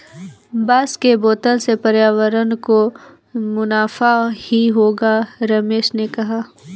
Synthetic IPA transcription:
baːskeboːt̪əlsepɐɾjaːʋəɾənko | mʊnaːfahiɦoːɡaɾɐmeːʃnekɐɦaː

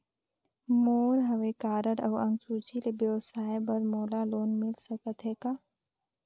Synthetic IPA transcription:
moːɾɦəʋekaːɾəɽəʋə̃ŋɡsuːt͡ʃʰilebjəʋsaːjebəɾmoːlaloːnmɪlsəkət̪ɦekaː

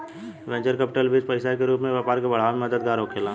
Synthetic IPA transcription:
ʋɛ̃ːt͡ʃəɾkəpɪʈəlbit͡ʃpəɪsakeɾuːpmẽʋeːpaːɾkebɐɽ̤aːmẽməd̪əd̪̚ɡaːɾokʰeːlãː

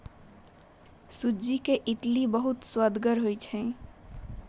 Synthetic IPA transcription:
sud͡ʒikeʔiʈlibəɦut̪swəd̪ɡəɾɦojt͡ʃʰɛ̃

